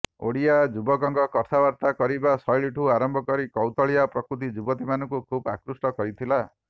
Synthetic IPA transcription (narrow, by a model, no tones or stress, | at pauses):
o̰ɽijad͡ʒubɔkɔŋɡɔkɔt̪ʰabaɾt̪akɔɾibasɔjɭiʈʰuaɾɔmbʱɔkɔɾikɔwt̪ɔɭiapɾɔkɾut̪̬id͡ʒubɔt̪imanɔ̃ŋkukʰubakɾusʈɔkɔɾit̪ʰila